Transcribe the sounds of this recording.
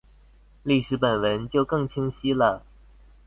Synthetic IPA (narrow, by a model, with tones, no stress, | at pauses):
li˥˩ʂɻ̩˧˥pə˨˩nwə˧˥nt͡ɕjo˥˧ʊkɤ˥˩ŋt͡ɕʰi˥ŋɕi˥lə˨